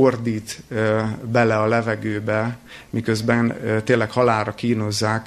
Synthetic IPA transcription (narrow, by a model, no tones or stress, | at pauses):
ord̪iːt̪ | bɛlɛɒlɛvɛɡøːbɛmikøzbɛnt̪eːlːɛkhɒlaːɾɒkiːno̞zːaːk